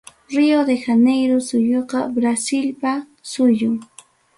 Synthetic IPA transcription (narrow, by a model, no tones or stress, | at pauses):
ɾiod̪exanejɾʊsʊjoqɑbɾasɪlpa | sʊjʊŋ